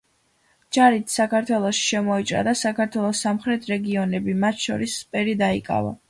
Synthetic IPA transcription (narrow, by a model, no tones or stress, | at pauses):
d͡ʒaɾit̪ʰsakʰaɾt̪ʰwɛlˠɔʃi̥ʃɛmɔit͡ʃʼɾa̰d̪asakʰaɾt̪ʰwɛlˠɔsːamχɾɛt̪ʰɾɛɡiɔnɛbimat̪ʰʃɔ̰ɾispʼɛɾid̪aikʼa̰va̰